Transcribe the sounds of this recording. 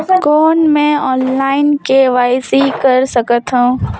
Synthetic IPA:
koːnmẽɔːnlaːɪnkeʋaːɪsikɐɾsɐkət̪ɦũː

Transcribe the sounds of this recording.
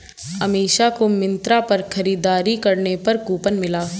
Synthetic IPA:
ɐmeːʃakomɪ̃nt̪ɾapɐɾxʰɐɾiːd̪aːɾikɐɾnepɐɾkuːpənmɪlaː

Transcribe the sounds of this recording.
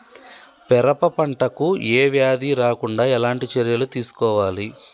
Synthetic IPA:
pɛɾɐpɐpɐɳʈɐkueːʋjaːd̪iɾaːkuɳɖaːɛlaːɳʈit͡ʃɐɾjɐlut̪iːsu̥kɔːʋaːli

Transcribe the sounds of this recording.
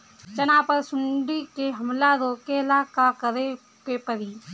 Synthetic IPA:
t͡ʃənaːpəɾsʊɳɖikeɦɐmlaɾoːkeɪlaːkakəɾe | kepəɾiː

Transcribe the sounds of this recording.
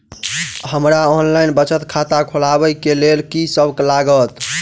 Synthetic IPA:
həmɾaonlajnbət͡ʃət̪kʰat̪akʰolabəjkelelkisəbklaɡət̪

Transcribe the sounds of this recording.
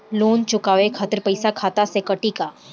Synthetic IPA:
loːnt͡ʃʊkaʋekʰat̪əɾpəjsakʰaːt̪asekəʈika

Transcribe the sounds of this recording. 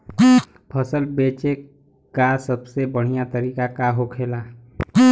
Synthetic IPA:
pʰəsəlbeːt͡ʃe | kasəbsebəɽ̤ijat̪əɾiːkakaɦokʰeːlaː

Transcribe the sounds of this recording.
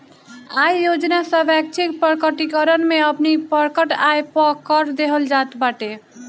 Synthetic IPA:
ajːod͡ʒnasə̃bɛk̚t͡ʃʰikpəɾkəʈikəɾənmeəpnipəɾkəʈajpəkəɾd̪eɦəld͡ʒat̪baʈe

